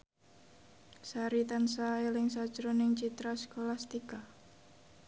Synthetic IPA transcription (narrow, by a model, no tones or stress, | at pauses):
saɾit̪ansaelɪŋsḁt͡ʃɾonɪŋt͡ʃit̪ɾaskolast̪ika